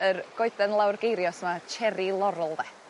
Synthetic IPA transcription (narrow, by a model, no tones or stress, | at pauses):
ərɡ̥ɔɨdɛnlˠawrɡejɾjɔsmat͡ʃʰɛɾilˠɔɾʊlˠðɛ